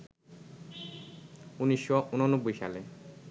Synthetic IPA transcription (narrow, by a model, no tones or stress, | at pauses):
uniʃːoʔunonobːojʃa̰le